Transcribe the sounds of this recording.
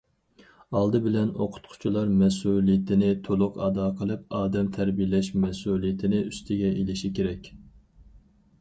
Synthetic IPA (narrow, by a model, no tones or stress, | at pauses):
ɑlˠd̪ɨbɪlɛno̰qʰʊ̥t̪̚qʰʊ̥t͡ʃʰilˠɑɾmɛsulˠijɪt̪ʰɪnɪt̪ʰolˠʊqɑd̪ɑːqʰəlˠɨp̚ɑːd̪ɛmt̪ʰæɾbijlɛʃmɛsulˠijɪt̪ʰɪnɪyst̪ʰɪɡʲɛelɪʃikʲʰeɾɛkʲ